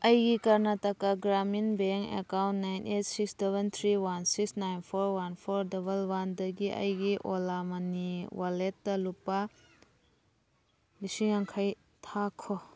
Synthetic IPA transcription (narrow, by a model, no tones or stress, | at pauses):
ɐjɡikɐɾnatɐkaɡɾaminbeŋkḛkawntnajnʔet̚siksdebent̪ʰɾiwansiksnajnpʰɔɾwanpʰɔɾdɐbɐlwandɐɡiʔɐ̰jɡiʔolamɐniwaletːɐlupːa | bisiŋaŋkʰaj | tʰakʰɔ